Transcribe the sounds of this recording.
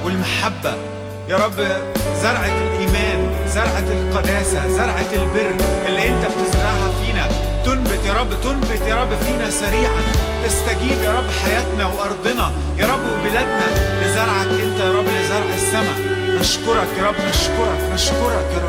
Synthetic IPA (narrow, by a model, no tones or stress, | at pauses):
welmaħabːæ | jɑːɾˤɑbːzɑɾˤʕalʔiːmæːnzɑɾˤʕalqɑd̪æːsæzɑɾˤʕalberːʔelːiʔent̪æbt̪ɪzɾˤɑʕɦæfiːnæ | t̪onbɪt̪jɑːɾˤɑbːt̪onbɪt̪jɑːɾˤɑbːfiːnæsæɾiːʕan | ʔast̪æɡiːbjɑːɾˤɑbːħajæːt̪næweʔɑɾˤd̪ˤenɑ | jɑːɾˤɑbːwebelæd̪næbɪzɑɾˤʕaʔent̪æjɑɾˤɑbːjæzɑɾˤʕsːæmæ | maʃkoɾˤɑkjɑːɾˤɑbːmaʃkoɾˤɑkmaʃkoɾˤɑkˤː